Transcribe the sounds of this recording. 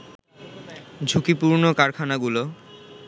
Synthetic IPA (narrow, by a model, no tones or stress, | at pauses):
d͡ʑʱukipuɾnokaɾkʰanaɡulo